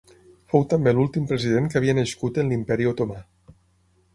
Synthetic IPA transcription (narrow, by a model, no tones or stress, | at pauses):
fowt̪ambelulˠt̪impɾəzið̞eŋkaβiənəʃkut̪ənlimpɛɾiot̪oma